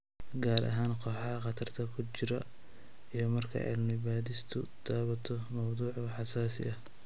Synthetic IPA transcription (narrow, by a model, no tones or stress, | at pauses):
ɡaːɾɐ̰ɦaːnqʰɔːħɑqɑt̪ʰɐrt̪ʰɐkʰʊt͡ʃɪɾɐ | ijɞmɐrkʰɐ̰ʕɪ̰lmɪβaːðɪst̪ʰʊt̪ʰaːβɐt̪ʰɔmɐwd̪uːʕʊħɑsaːsɪ̰ɐh